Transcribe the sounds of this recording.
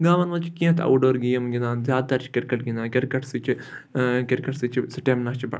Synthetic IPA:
ɡaːʋɐnʋɐt͡ʃʰkĩːt̪ʰɐ̰wɖoːɾɡijɐmɡʲinãːnzjaːt̪ɐɾt͡ʃʰi̥kʲiɾkɐʈɡʲinaːkʲiɾkɐʈʰsit͡ʃʰikʲiɾkɐʈsit͡ʃʰisiʈeːmnaːt͡ʃʰibɐ̰

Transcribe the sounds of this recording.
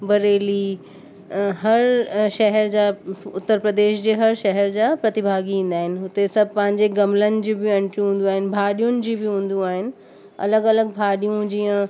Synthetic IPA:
bɐɾeːli | ɦɐɾʃɛɦɛɾd͡ʑaʊt̪ːəɾpɾəd̪eːʃd͡ʑeːɦɐɾʃɛɦɛɾd͡ʑaːpɾɐt̪ɪbʱaːɡiĩːn̆d̪aːɦɪnɪ̆ɦʊt̪esɐbʱpɐ̃ɦɪ̃ɲd͡ʑeɡɐmlənɪ̆d͡ʑiːbɪɐ̃ɳʈɾiũɦũːn̆d̪uaːɦɪnɪ̆bʱaːɗijʊnɪ̆d͡ʑiːbɪɦũːn̆d̪ũaːɦɪnɪ̆ | ɐ̰ləɡɐləɡbʱaːɗijũd͡ʑiːə̃

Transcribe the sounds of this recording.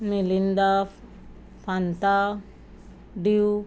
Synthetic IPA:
milind̪a | pʰant̪a | ɖiu

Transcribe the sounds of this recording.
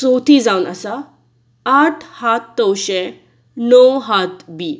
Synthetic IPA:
sowt̪ʰiːd͡zawnəsa | aʈʰhat̪ːəwɕɛ̃ | nɔwɦat̪biː

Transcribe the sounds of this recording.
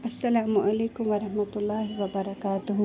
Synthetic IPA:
ʔɐsːɐlaːmʊʔɐleːkʊmʋɐɾɐhmɐt̪ʊlːɑːɦɪʋɐbɐɾɐkaːt̪ʊɦʊ

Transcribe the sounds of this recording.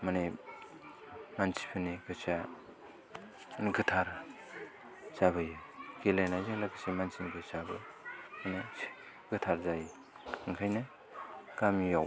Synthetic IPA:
mane | mansi̥pʰɯniɡɯt͡ʃa | niɡɯtʰaɾ | zaβɯjɯɡ̥elajnajzaŋlaɡɯsamansinɡɯsabɯmane̥ | ɡɯtʰaɾzaj | ŋkʰajnɯ | kamijaw

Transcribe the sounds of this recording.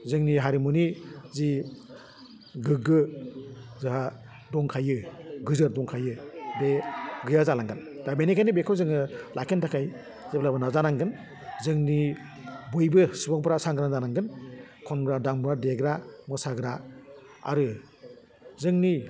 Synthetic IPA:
zɯŋniɦaɾimunizi | ɡɯɡɯ | zɯɦa | dɔŋkʰajɯɡɯzɯɾdɔŋkʰajɯbeɡɯjazalaŋɡɯndabenikʰajnibekʰɔwzɯŋɯlakʰentakʰaj | zeblabɯnazanaŋɡɯn | zɯŋni | bujbɯsibɔŋpʰɾasaŋɡɯɾazanaŋɡɯnkʰɔnɡɾadaŋbuɾadeɡɾamɔsaɡɾa | a̰ɾɯ | zɯŋni

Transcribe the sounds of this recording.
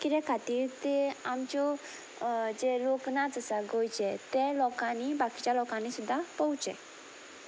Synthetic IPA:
kiɾɛkʰat̪iːɾt̪ɛamt͡ɕjɔ | d͡zeloknad͡zəsaɡojt͡ɕɛt̪ɛ̃lɔkãnibaki̥t͡ɕjalɔkãnisud̪ʱːapɔut͡sɛ̰̃

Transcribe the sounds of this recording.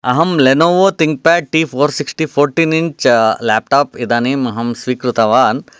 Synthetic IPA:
ɐɦɐmlenoːʋot̪iŋk̚pɛːʈiːfʰoːɾsiksʈiːpʰoːɾʈiːnint͡ʃlɛːp̚ʈaːpid̪aːniːmɐɦɐmsʋiːkɾut̪ɐʋaːn

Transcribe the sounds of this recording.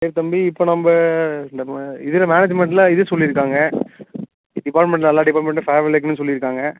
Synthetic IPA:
seːɾt̪ɐmbiɪpːoːnɐmbɐɪnd̪ɐɪðɪlɐmaːned͡ʒmɛɳʈlɐɪðɯsɔlːɪɾɯkːaːŋɡɐ | ɖɪpaːɾʈmɛɳʈlnɐlːaːɖɪpaːɾʈmɛɳʈːɐfeːʋɐlek̬ːnnːɯs̬ɔlːɪɾɯkːaːŋɡɐ

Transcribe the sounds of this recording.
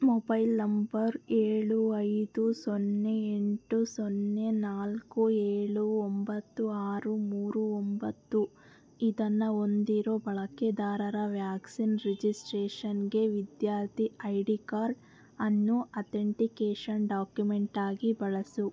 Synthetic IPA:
mobɐjlnɐmbɐɾeːɭuɐjd̪usonːeeɳʈusonːe̞naːlkueːɭuombɐt̪ːuaːɾumuːɾuombɐt̪ːu | id̪ɐnːɐond̪iɾo̞ːbɐɭɐked̪aːɾɐɾɐʋjaːksinɾed͡ʒisʈɾeːʂɐnɡe̞ʋid̪jaːɾt̪iɐjɖikaːɾɖ | ɐnːuɐt̪eɳʈikeːʂɐnɖaːkjumeɳʈaːɡibɐɭɐsu

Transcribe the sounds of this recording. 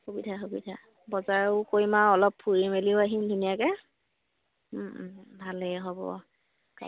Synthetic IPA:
xubidʰʱaxubḭdʱa | bɔzaɹkojmaɔlɔpʰːuɹimeliʊaɦimdʱunijakɛ | bʱalɛɦɔbɔ̰ | ka̰

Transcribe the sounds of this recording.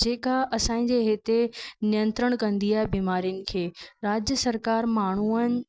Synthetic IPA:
d͡ʑeːkaʔɐsãːĩd͡ʑeːɦet̪enijə̃nt̪ɾəɽ̃kɐ̃nd̪iaːɦebiːmaːɾijənɪ̆kʰeːɾaːd͡ʑjəsɐɾkaːɾmaːɳ̤uən̆

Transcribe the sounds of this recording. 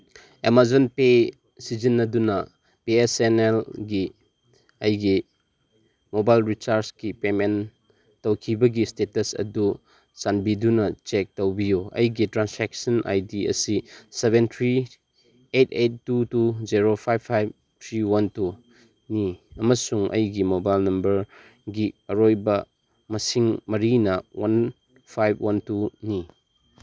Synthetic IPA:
emazonpe | sizinːɐdunɐ | piesenelɡi | ɐjɡi | mobajlɾit͡ʃaɾsɡipemen | tɐwkʰibɐɡistetɐsɐ̰du | sanbidunɐt͡ʃek̚tɐwbijuɐ̰jɡitɾansek̚sɐna̰jdiɐ̰sisebent̪ʰɾi | etʰetːutuziɾopʰajbʰajb̚ | tʰɾiwɐntu | niɐmɐsuŋʔɐ̰jɡimobajlnɐmbɐɾ | ɡiɐɾojbɐ | mɐsiŋmɐɾinɐwan | pʰajb̚wɐntuni

